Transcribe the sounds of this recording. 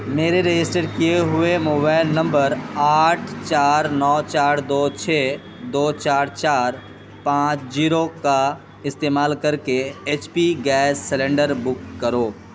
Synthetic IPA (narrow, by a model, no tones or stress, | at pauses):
meːɾeɾed͡ʒɪsʈeɖkieɦʊemoːbaːɪlnɐ̃mbəɾaːʈʰt͡ʃaːɾnɔːt͡ʃaːɾd̪oːt͡ʃʰeː | d̪oːt͡ʃaːɾt͡ʃaːɾ | pãːt͡ʃd͡ʒiːɾoka | ɪst̪eːmaːlkɐɾkeeːt͡ʃpiɡɛːsːɛlẽːɳɖəɾbʊkːəɾoː